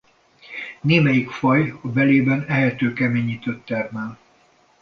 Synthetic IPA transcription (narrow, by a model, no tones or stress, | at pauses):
neːmɛjikfɒjɒbɛleːbɛnɛɦɛt̪øːkɛmeːɲiːt̪øt̪ːɛrmɛl